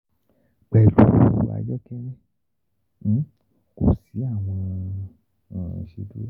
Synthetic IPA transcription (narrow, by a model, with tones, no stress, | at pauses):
k͡pɛ˨lu˨˦˨wa̰˨˧d͡ʒɔ˦kɛ˦ɛ̃˦˨ | ko̰˨si˨˦a˦˨w̃ɔ̃˧˨ | ʃe˧du˦